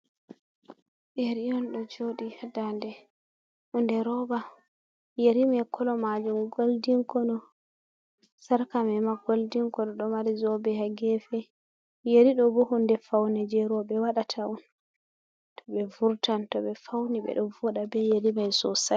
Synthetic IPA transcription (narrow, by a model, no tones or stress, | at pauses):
ʔeɾijɔnɗɔd͡ʒoɗihadandɛ | hundɛɾɔba | jeɾimajkʰɔlɔmad͡ʒumɡoldiŋkɔnɔ | saɾkamɛmaɡoldiŋkɔnɔɗɔmaɾizɔbɛhaɡɛfɛ | jeɾiɗɔbɔhundɛfawnɛd͡ʒɛɾɔbɛwaɗatʰaɔn | tɔ̥ɓɛvuɾtantɔɓɛfawniɓɛ̰ɗɔvɔɗabɛjeɾimajsɔsa